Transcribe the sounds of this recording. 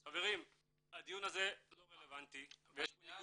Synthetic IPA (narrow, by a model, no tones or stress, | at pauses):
χave̞ʁim | ad̪ijunaze̞lo̞ʁelevant̪ivejeʃuniɡu